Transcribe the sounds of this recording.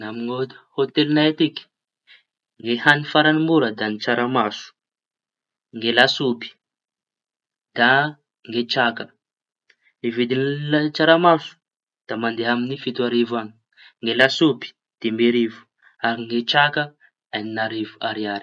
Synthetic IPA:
amiŋod̪hot̪elinajat̪iki̥ | ŋɡehanifaɾanimbuɾəd̪anit͡ʃaɾamasu̥ | ŋɡelasubi̥ | d̪̥a | ŋɡet͡ʃakə | nivid̪inlat͡ʃaɾamasu̥ | d̪̥amand̪eɦaminifit̪uaɾivaŋi̥ | ŋɡelasubi̥ | d̪̥embeɾivu̥ | aɾiŋɡet͡ʃakə | aninaɾivuaɾiaɾi̥

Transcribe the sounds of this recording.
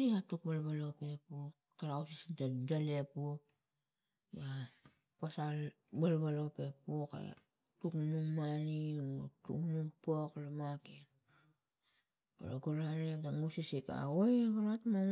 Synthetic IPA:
ɾikatukbalbalo̞pe̞pu | kaɾawsisdalepu | ba | pasal | balβalo̞pe̞puka̰ | tuknuŋmanitṵknumpoklamaken | ka̰laɡuɾanedaŋusisika̰ojɡaɾatma

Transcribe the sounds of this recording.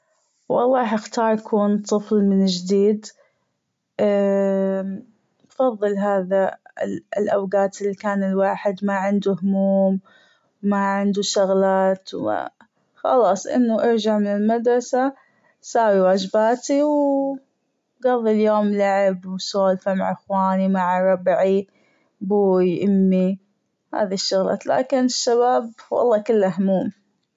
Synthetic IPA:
wɑ̰lˤːɑːħɪxt̪ɑːɾˤjkʰuːnt̪ˤɨflmɪnɪd͡ʒd̪iːd̪ | ʔ | fɑðˤːɨlɦaːða̰ | ɪlʔawɡaːt̪ɪlːikaːnɪlwaːħɪd̪maʕɪnd̪uhʊmuːm | maʕɪnd̪uʃʊɣlaːt̪wma̰ | xɑ̰lɑːsˤʔɪ̰nːaʔɑɾd͡ʒaʕmɪnɪlmad̪ɾˤɑsa | saːwiwaːd͡ʒɪbaːt̪iw | ɡɑðˤːiljoːmlaʕɪbwsoːlfamaʕʔɪxwaːnimaʕaɾˤɑbʕi | buːjʔɪmːi | ha̰ːðiʃːʊɣla̰ːt̪la̰ːkɪnɪʃːaβaːbwʔɑ̰lˤːɑːkɪlːaɦʊmuːm

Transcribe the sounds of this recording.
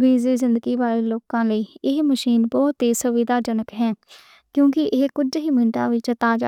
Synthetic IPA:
biːziːzɪ̃nd̪əɡiːbaːleːloːkãːləiːɪɦməʃiːnbɔːt̪iːsʊʋɪd̪aːd͡ʒənəkɦɛː | kjõːkɪʔɪɦkʊd͡ʒɦiːmɪ̃ɳʈa̰ːʋɪt͡ʃt̪aːd͡ʒa̰

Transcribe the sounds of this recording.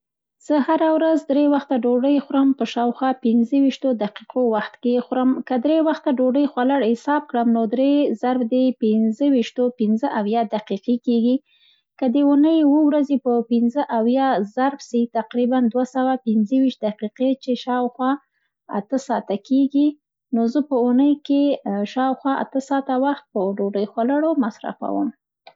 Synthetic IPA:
z̥əhaɾawɾazd̪ɾewaxt̪aɖoɖəjxɾəmpəʃɑwxwɑpɪnzəwiʃt̪od̪aqiqowaxt̪kexɾəmkəd̪ɾewaxt̪aɖoɖəjxwalaɽhɪsɑb̚kɽəmnod̪ɾezaɾbd̪epɪnzəwiʃt̪opɪnzəʔawjɑd̪aqiqekeɡi | kəd̪əunəjwəwɾazepəpɪnzəʔawjɑzaɾbsit̪aqɾiband̪wasawapɪnzəwiʃt̪̚d̪aqiqet͡ʃeʃɑwxwɑ | a̰t̪əsɑt̪akeɡi | nozəpəunəjkeʃɑwxwɑʔa̰t̪əsɑt̪awaxt̪̚pəɖoɖəjxwalaɽomasɾa̰fa̰wə̰m

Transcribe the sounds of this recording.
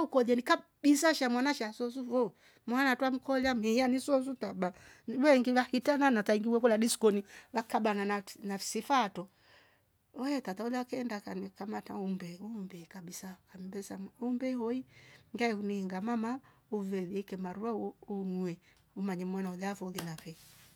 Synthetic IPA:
aukɔlɛnikabisaʃamwanaʃasɔs̬uvɔ | mwanatwam̩kɔlamianisɔs̬utaba | βɛŋɡiβahitananataiŋɡiwɛkɔladiskɔniβakaɓanananafi̥sifatɔ | ɔɛtataulɛakɛndakanikamataumbɛumbɛkabisakambɛsaumbɛhɔiŋɡaɛuniŋɡamamauvɛliɛkɛmaɾuaunuɛ | umaɲɛmwanaulɛavɔlinafɛ

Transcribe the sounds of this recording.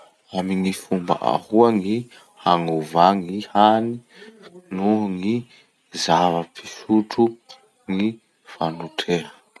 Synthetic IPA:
amiŋifumbə̰ʔa̰huaŋi | haŋuvaŋihani | nuŋi | zavəpʰi̥suʈ͡ʂu | ŋi | fanuʈ͡ʂʰeɦə

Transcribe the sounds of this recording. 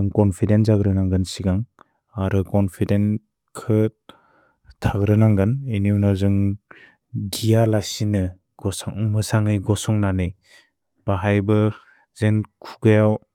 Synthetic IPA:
ɯŋkɔnpʰidenzaɡɾɯnaŋɡɯnsiɡaŋ | aɾɯkɔnpʰiden | kʰɯ | tʰaɡɾɯnaŋɡaneniunazɯŋ | ɡijalasinɯ | ɡ̥ɔsaŋmɯsaŋɯjɡɔsɔŋnanɯj | b̥aɦajbɯ | zenkʰuɡɯjaw

